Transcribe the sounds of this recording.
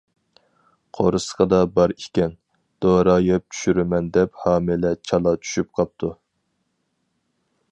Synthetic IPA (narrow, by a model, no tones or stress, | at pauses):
qʰoɾɨsə̥qɑd̪ɑbɑɾikʲɛn | d̪̥oɾɑjɛp̚t͡ʃʰy̥ʃyɾɪmɛnd̪ɛphɑːmɪlɛt͡ʃʰɑlˠɑt͡ʃʰy̥ʃyp̚qʰɑp̚t̪ʰu